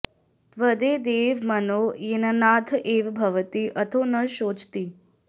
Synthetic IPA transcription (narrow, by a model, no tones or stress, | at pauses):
t̪ʋəd̪eːd̪eːʋmənojenənaːd̪ʰʱʔeːʋbʱəʋət̪iʔət̪ʰoːnəʃoːd͡ʒt̪iː